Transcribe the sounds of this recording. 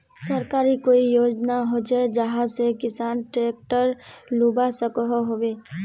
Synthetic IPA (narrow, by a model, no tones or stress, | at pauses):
səɾkaːɾikoːijoːd͡ʒnaɦod͡ʒad͡ʒəɦãsekɪsaːnʈɾeːk̚ʈəɾluːbasəkɦoɦoʋeː